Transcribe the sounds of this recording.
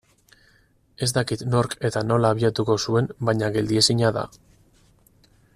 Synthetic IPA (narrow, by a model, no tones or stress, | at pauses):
e̞zt̪akit̪no̞ɾke̞t̪ano̞laːβ̞iat̪uko̞sue̞mbaɲaɣe̞ld̪ie̞siɲaða̰